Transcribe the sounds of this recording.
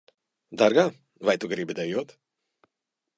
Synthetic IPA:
d̪aɾɡaː | vajt̪uɡɾibʲid̪ajuɔt̪

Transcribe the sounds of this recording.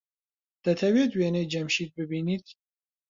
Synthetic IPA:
d̪̥ɐt̪ʰɐwɛt̪ʰwɛnɛjd͡ʒɐmʃit̪̚bɨbiːnit̪ʰ

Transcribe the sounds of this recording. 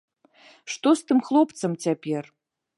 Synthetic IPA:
ʂt̪ost̪ɨmxlˠopt̪sɐmt͡sʲapʲer

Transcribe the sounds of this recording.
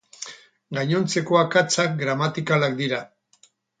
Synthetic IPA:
ɡaɲo̞nt͡se̞koakat͡sak̚ɡɾamat̪ikalakd̪iɾa

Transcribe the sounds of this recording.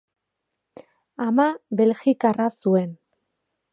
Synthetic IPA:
amaβe̞lxikarasue̞n

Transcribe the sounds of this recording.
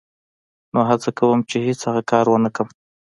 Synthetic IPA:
noɦat͡sakawəmt͡ʃehet͡shaɣakɑɾwənəkəm

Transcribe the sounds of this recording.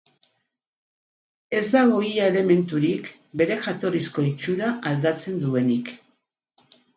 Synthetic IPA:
e̞zd̪aɣ̞o̞iaele̞me̞nt̪uɾik | be̞ɾe̞xat̪o̞risko̞it͡ʃuɾaʔald̪at͡se̞nd̪ue̞nik

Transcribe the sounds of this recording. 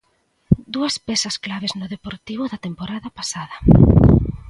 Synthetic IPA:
d̪uɐspɛsɐsklaβeznʊðepoɾt̪iβ̞ʊðɐt̪empoɾaðɐpasaðɐ

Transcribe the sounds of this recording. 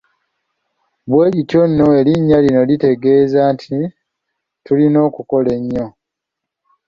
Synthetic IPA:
βwe̞ːɾitjo̞nːo̞e̞liɲːalino̞lite̞ɡe̞ːzaːntʰi | tulino̞ːkuko̞le̞ɲːo̞

